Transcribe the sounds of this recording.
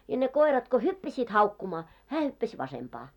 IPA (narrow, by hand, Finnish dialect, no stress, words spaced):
jɑ ne koirɑt ko hypːæsiːt hɑukːumɑː hæː hypːæs ʋɑsempɑː